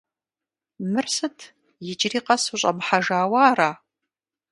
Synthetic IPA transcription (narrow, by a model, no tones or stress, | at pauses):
mɨrsɨtʰ | jɪd͡ʒʼɪriːqɐsuɕʼɐ̰mħaʒaːwaːɾaː